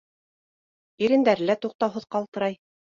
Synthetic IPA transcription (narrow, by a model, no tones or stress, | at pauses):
iɾɘ̆nd̪æɾ̆læt̪uq̚t̪ɑwɦɤ̆ðqɑlˠt̪ɤ̆ɾɑj